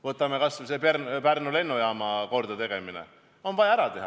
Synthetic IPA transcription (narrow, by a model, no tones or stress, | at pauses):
vɤt̪ːˑɑmekɑsvseperpærnule̞nːujɑːmɑko̞rd̪ɑt̪e̞ɡ̥e̞minḛ | o̞nvɑjɑæɾɑt̪e̞ɦɑ